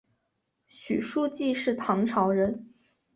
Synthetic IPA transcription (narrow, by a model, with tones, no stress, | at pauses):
ɕy̰˨˩ʂu˥˧t͡ɕi˥˧ʂɻ̩˥˩t̪ʰɑ˧˥ŋʈ͡ʂʰɑ˧˥ʊɻə˧˥n